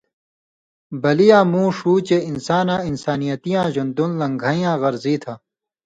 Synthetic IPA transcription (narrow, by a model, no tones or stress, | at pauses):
bɐlijãːmũːʂuːt͡ɕeinsaːnãːinsaːnijɐt̪ijãːʑɐnd̪unlɐ̃ŋɡʱaːĩjãːɣɐɾziːt̪ʰaː